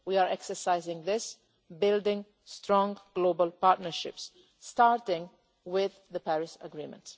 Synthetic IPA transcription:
wiaɹɛksə˞saɪzɪ̃ŋðɪs | bɪldɪ̃ŋ | stɹɔ̃ŋɡ̥loʊbəlˠpaɹtnəɹʃɪ̰psː | taɹtɪ̃ŋ | wɪððəpæɹɪsəɡɹĩmə̰̃nts

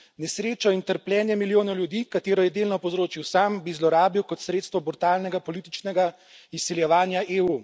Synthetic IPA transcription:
nɛsɾeːt͡ʃɔint̪əɾpljɛːnjɛmiljoːnɛwljud̪iːkat̪eːɾɔjɛd̪eːlnɔpɔzɾoːt͡ʃiwsaːmbizlɔɾaːbiwkɔt̪sɾeːt̪st̪ʋɔbuɾt̪aːlnɛɡapɔliːt̪it͡ʃnɛɡa | isːiljɛʋaːnjaʔeːu

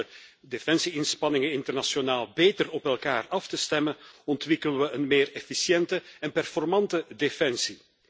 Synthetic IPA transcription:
ə | defɛnsiɪnspɑnɪŋənɪntərnasjonaːlˠbeːtərɔpɛlˠkaːrɑftəstɛmənɔntʋɪkələʋəʔənmeːrɛfisjɛntəɛnpɛrfɔrmɑntədefɛnsi

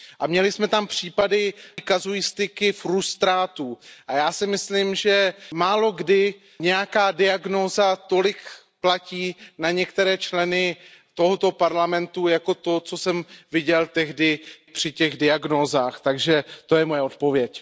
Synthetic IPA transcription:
ʔamɲɛlɪsmɛt̪ampr̝̥iːpadɪkazujɪst̪ɪkɪfɾust̪ɾaːt̪uːʔajaːsɪmɪslimʒɛmaːlo̞ɡdɪ | ɲɛjakaːdɪaɡno̞ːzat̪o̞lɪk | placiːnaɲɛkt̪ɛɾɛːt͡ʃlɛnɪt̪o̞ɦo̞t̪o̞paɾlamɛnt̪ujako̞t̪o̞t͡so̞sɛmvɪɟɛlt̪ɛɦdɪpr̝̥ɪcɛɣdɪaɡnoːzaːxt̪aɡʒɛt̪o̞jɛmojɛo̞t̪̚po̞vjɛc

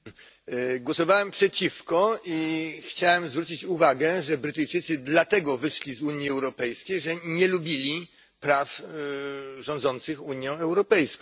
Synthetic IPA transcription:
ɡwɔsɔvawɛmpʂɛt͡ɕifkɔixt͡ɕawɛmzvɾut͡ɕit͡ɕuvaɡɛʐɛbɾɘt̪ɘjt͡ʂɘt̪sɘd̪lat̪ɛɡɔvɘʂlʲizuɲjiɛwɾɔpɛjskʲejʐɛɲɛlubʲilʲi | pɾaf | ʐɔ̃nd̪zɔnt̪sɘxuɲjɔ̃ɛwɾɔpɛjskɔ̃w̃

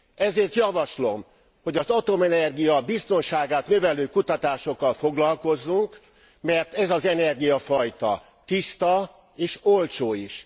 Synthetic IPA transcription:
ɛzeːrt̪jɒvɒʃlo̞m | ho̞ɟɒzɒt̪o̞mɛnɛrɡijɒbist̪o̞nʃaːɡaːt̪nøvɛløːkut̪ɒt̪aːʃo̞kːɒlfo̞ɡlɒlko̞zːuŋk | mɛrt̪ɛzɒzɛnɛrɡijɒfɒjt̪ɒ̰ | t̪ist̪ɒ | eːʃolt͡ʃoːiʃ

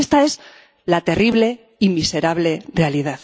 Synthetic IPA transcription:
st̪ae̞z | lat̪e̞riβle̞ | imise̞ɾaβle̞re̞aliðað

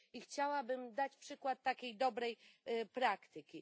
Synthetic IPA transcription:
ixt͡ɕawabɘmd̪at͡ɕpʂɘkwat̪ːakʲejd̪ɔbɾɛjpɾakt̪ɘkʲi

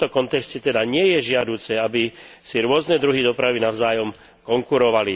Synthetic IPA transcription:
ɔkɔnt̪ɛkscɛt̪ɛd̪aɲɪɛjɛʒɪad̪uːt͡sɛabisiɾʊɔznɛd̪ɾuɦid̪ɔpɾaʋinavzaːjɔm | kɔŋkuɾɔʋali

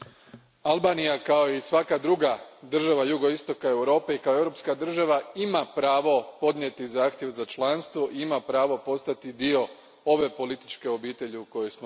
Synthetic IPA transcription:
alˠbaːnijakao̞isʋakad̪ɾuɡad̪r̩ʒaʋajuɡo̞ist̪o̞kae̞wɾo̞ːpe̞ikaoewɾo̞pskad̪r̩ʒaʋaimapɾaːʋo̞po̞d̪ɲjet̪izaːxt̪ʲjeʋzat͡ʃlˠanst̪ʋoʔiimapɾaːʋo̞po̞st̪at̪id̪io̞ | o̞ʋe̞po̞lit̪i̥t͡ʃke̞o̞biːt̪e̞ʎiuko̞jesmo

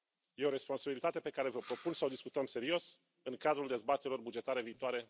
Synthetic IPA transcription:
jeo̞ɾe̞spo̞nsabilit̪at̪e̞pe̞kaɾe̞vəpɾo̞punsəod̪iskut̪əmse̞ɾio̞s | ɨŋkad̪ɾuld̪e̞zbat̪eɾʲilo̞rbud͡ʒe̞t̪aɾe̞viːt̪oaɾe̞

